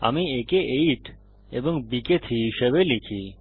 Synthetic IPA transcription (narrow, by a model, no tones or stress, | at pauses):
a̰miekeʔejʈ | eboŋbiket̪ʰiɦiʃeβelikʰi